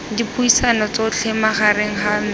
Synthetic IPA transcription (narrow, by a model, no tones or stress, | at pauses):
dipʰuisanɔt͡soʊt͡ɬʰɪmaχaɾeŋ̩ha